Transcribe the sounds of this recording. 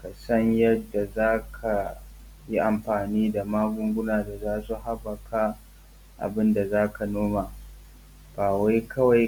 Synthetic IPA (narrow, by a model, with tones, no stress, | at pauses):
ka˨sɐ˦ɲjɐ˦dːa˨zaː˦kʰa˨ | ji˦ʔa˨mɸaː˨niː˦da˨maː˦ɡʷʊ˦ŋɡʷʊ˦naː˨da˨zaː˦su˨ɦa˦bɐ˨kʰa˦ | ʔa̰˨bɪ˦nda˨zaː˦ka˨noː˦maː˨ | b̥aː˨wa˦jkɐ˦wa˨j